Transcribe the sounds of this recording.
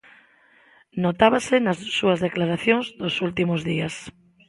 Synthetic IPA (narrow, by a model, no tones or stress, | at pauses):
not̪aβasɪnɐssuɐzðeklaɾaθjoŋzðosult̪imʊzðiɐs